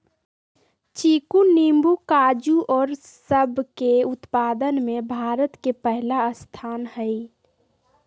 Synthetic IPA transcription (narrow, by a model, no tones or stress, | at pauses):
t͡ʃikunimbukad͡ʒuʔɔːɾsəbʱkeut̪paːd̪ənmebʱaːɾət̪kepəɦlaəst̪ʰaːnhəj